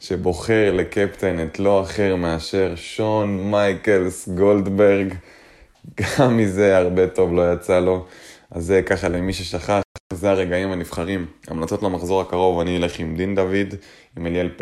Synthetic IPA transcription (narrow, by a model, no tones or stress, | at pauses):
ʃe̞bo̞χe̞ʁle̞kept̪e̞netlo̞aχe̞ʁmeaʃe̞ʁʃo̞nmajke̞lsɡo̞ld̪be̞ʁɡ | ɡ̥amːize̞aʁbe̞to̞vlo̞jat͡salo̞azekaχalemiʃeʃaχazeaʁe̞ɡaimanifχaʁima̰mlat͡so̞tlamaχzo̞ʁhakaʁo̞vaniole̞χimd̪ind̪avid̪ | imeljelp